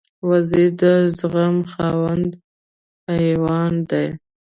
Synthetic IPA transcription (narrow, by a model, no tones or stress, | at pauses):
wazid̪əzɣamxɑwand̪ | hajwɑnd̪aj